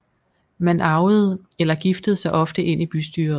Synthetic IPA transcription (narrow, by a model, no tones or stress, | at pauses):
mænʔɑ̈ʊð̩ˠ | elɐɡ̥ifd̥əð̩ˠsɑ̈ɪʔɒ̽fd̥əʔe̝n̰ib̥ysd̥yːɐ